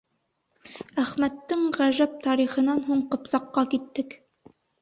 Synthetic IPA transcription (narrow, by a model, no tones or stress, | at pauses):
æχmæt̪ːɘŋʁæʒæp̚t̪ɑɾiχɤ̆nɑnɦuɴqɤ̆psɑqːɑkit̪ːɘk